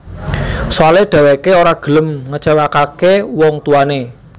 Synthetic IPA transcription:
swaled̪̥ä̤wekeoɾaɡ̥ə̤ləmŋət͡ʃawakakewɔŋt̪uane

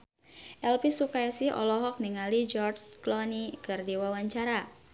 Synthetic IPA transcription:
ʔɛlpisukaasɪɦɔ̰lɔɦɔk̚niŋalid͡ʒɔrsklɔnikərdiwawaɲt͡ʃaɾa

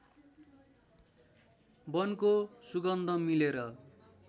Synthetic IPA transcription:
bʌnkosuɡʌnd̪ʱʌmileɾʌ

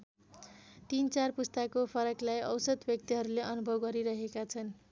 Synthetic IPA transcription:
t̪int͡sarpust̪akopʰʌɾʌklajʌwsʌd̪bjʌk̚t̪iɦʌɾuleʔʌnubʱʌwɡʌɾiɾʌɦekat͡sʰʌn

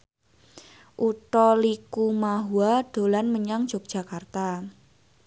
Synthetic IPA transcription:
ʔut̪ɔlikumaɦuad̥o̤lanməɲaŋd̥ʒ̥o̤k̚dʒ̥a̤kart̪a

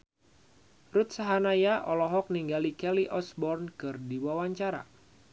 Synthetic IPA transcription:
rut̪̚saɦanajaʔɔlɔɦɔk̚niŋɡalikɛliʔɔsbɔrnkɨrdiwawaɲt͡ʃaɾa̰

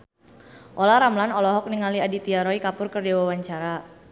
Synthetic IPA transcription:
ʔɔlaɾamlanɔlɔɦɔk̚niŋaliadit̪iaɾɔikapʊrkərd͡ʒawawaɲt͡ʃaɾa

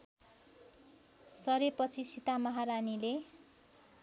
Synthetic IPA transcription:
sʌɾepʌt͡sʰisit̪amʌɦaɾanile

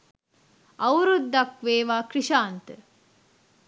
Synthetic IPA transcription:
ɐwɾud̪ːɐkʋeːʋaːkɾiʃaːnt̪ə

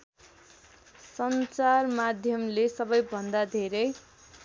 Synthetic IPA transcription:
sʌnt͡sarmad̪ʱjʌmlesʌbʌjbʱʌnd̪ad̪ʱeɾʌj

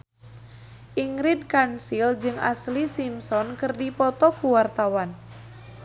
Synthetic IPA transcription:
ʔiŋɾid̚kansild͡ʒɨŋa̰slisimsɔnkɨrdipɔt̪ɔkuwart̪awan

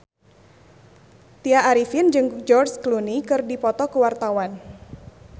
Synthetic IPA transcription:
t̪iaʔːɾifind͡ʒɨŋd͡ʒɔrsklunikɨrdipɔt̪ɔkuwart̪awan

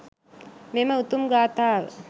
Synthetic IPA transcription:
memɐut̪umɡaːt̪aːʋ̰

